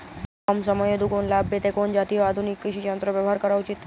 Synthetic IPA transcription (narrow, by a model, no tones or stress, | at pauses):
ɔmsəməjod̪ukonlabːet̪ekond͡ʒat̪ioad̪ʱunikːiʃid͡ʒənt̪ɾoʋjəʋɔɦaɾkəɾaut͡ʃit̪ʰː